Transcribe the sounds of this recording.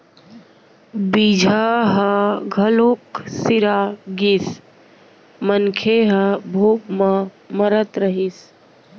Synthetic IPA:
bid͡ʒʱaɦəɡʱəloːksɪɾaːɡis | mənkʰeɦəbʱoːpmã | məɾət̪ɾəɦis

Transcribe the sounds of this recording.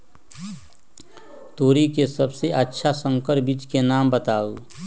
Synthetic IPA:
t̪oːɾikesɐbseʔətːʃʰasə̃ŋkəɾbit͡ʃkenaːmbət̪aːu

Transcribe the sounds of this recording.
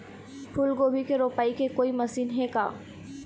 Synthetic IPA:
pʰʊlɡoːbʱikeɾoːpaːikekoːimɐsiːnɦeːka̰ː

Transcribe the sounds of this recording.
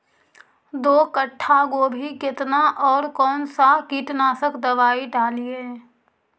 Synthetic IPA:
d̪oːkəʈʰːaɡoːbʱikɪt̪naʔɔːɾkɔːnsaɦkiːʈnaːsəkd̪əʋaːiɖaːlieː

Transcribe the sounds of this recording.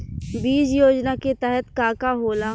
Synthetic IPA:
biːd͡ʒjoːd͡ʒnaket̪ɛɦɛt̪kaːkaɦoːla

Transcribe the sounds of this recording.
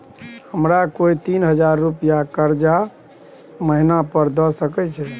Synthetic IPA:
həmɾakoit̪inɦəd͡ʒaɾːupijakəɾd͡ʒa | məɦinapəɾd̪ɔsəkɛt͡ʃʰɛ

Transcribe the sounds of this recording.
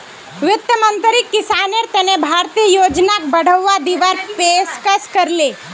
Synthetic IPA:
ʋjʊt̪jəmə̃nt̪ɾikːɪsaːneɾt̪enebʱaːɾt̪ijəjoːd͡ʒnak̚bəɽ̤əʋːad̪iʋaɾpeskəskəɾle

